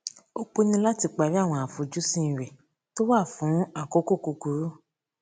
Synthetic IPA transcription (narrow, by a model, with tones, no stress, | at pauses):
o˧k͡po˧nĩ˧la˦ti˧k͡pa˨ɾi˦a˦˨w̃ɔ̃˧˨a˨fu˨d͡ʒu˨˦sĩ˦˨ɾɛ˨ | to˦wa˦˨fũ˨˦a˦˨ko˦ko˦˨ku˧ku˨˦ɾu˦